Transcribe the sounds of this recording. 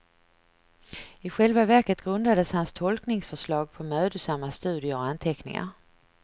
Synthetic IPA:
ɪɧɛlvavæɾkət̪ɡɾɵnd̪ad̪əshanst̪ʰɔlknɪŋsfœʂlɑːɡ̚pʰɔmøːd̪əsamːast̪ʉ̟ːd̪ɪəɔant̪ʰɛknɪ̰ŋa̰ɾ

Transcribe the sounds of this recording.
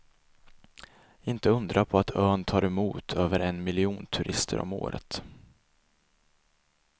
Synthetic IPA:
ɪnt̪əɵnd̪ɾapʰɔat̪ʰøːnt̪ʰɑːɾɛmuːt̪ʰøːvəɾɛnmɪlɪuːnt̪ʰɵɾʔɪst̪ʰə̰ɾʔɔ̰mo̰ːɾə̰t̪

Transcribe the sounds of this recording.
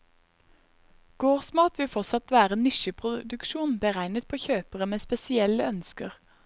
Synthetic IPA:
ɡ̥oːʁsmɑːt̪ʋɪfɔtsɑt̪ʋæːʁənɪʃəpʰʁʊd̪ʉkʃuːnbəʁæɪnət̪̚pʰoːçøːpəʁəmeːspɛsɪɛləœnskəʁ

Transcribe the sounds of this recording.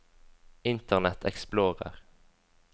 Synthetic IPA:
ɪnt̪əʁnɛt̪ʰɛ̰ksploːʁə̰ʁ

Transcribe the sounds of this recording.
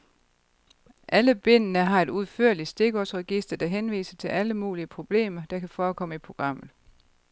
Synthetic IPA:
ʔæləb̥e̝n̰ənəɦɑ̈e̝d̥uð̞ˠføɐ̰lisd̥e̝ɡ̥ɒsʁɛɡ̥isd̥ɐd̥ɑ̈ɦenʋḭːsət͡sʰe̝lʔæləmṵːliəpʰʁo̝b̥le̝̰ːmɐd̥ɑ̈kʰæfɒːkʰɒ̽m̰əipʰʁo̝ɡ̥ʁɑ̈m̰ð̩ˠ

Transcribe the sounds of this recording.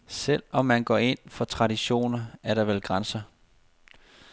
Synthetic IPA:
sel̰ɒ̽mːænɡ̥ɒ̰ːe̝n̰fɒ̽t͡sʰʁɑ̈d̥iɕo̝̰ːnɐæɐɾɑ̈ʋelɡ̥ʁansɐ

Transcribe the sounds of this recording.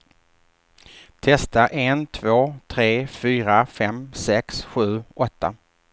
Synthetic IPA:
t̪ʰɛst̪aʔɛnt̪ʰvoːt̪ʰɾeːfyːɾafɛmsɛksɧʉ̟ːʔɔt̪ːa̰

